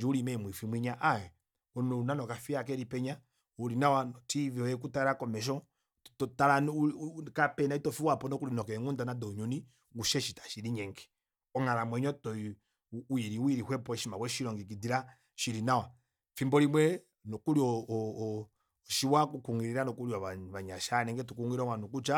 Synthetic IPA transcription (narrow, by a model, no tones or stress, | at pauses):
d͡ʒiuɾimɛmwifimwiɲaʔaɛ | ɔnnuunanɔkafiak̬ɛɾipɛɲa | uɾinawanɔtivɔɛk̬utaɾakɔmɛʃ̬ɔ | tɔtalankapɛnaitɔfiwapɔnɔkuɾinɔkɛŋundanadɔɲuni | ɡuʃɛʃitḁʃiɾiɲɛŋɡɛ̥ | ɔŋaɾamwɛɲɔtɔ | wiɾiwiɾihwɛpɔɛʃimawɛʃiɾɔŋɡik̬idiɾa | ʃiɾinawa | fimbɔɾimwɛ | nɔkuɾjɔ | ʃiwakukuŋiɾiɾanɔkuɾiaaβaɲaʃanɛŋɡɛtukuŋɡiɾɔŋwanuk̬ut͡ʃa